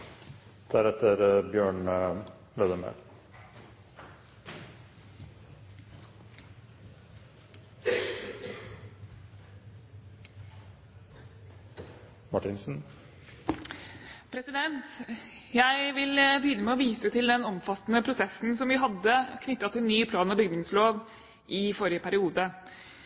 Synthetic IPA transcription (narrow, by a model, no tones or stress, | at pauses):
d̪̥æɾɛt̪ʰəɾbjøːɳ | led̪əmḛl | mɑʈɪnsn̩ | pʰɾɛsɪd̪ɛnt̪jæɪʋɪlbəjʏnəmɛɔʋiːsət̪ʰɪld̪ɛnɔmfɑt̪nəpʰɾʊsɛsn̩sɔmʋɪɦɑd̪ːəkʰnʏt̪ːɑt̪ʰɪlnyːpʰlɑːnɑbʏɡd̪ʊŋsloːʋ | ʔɪfɔɾɪəpʰæɾɪuːd̪ə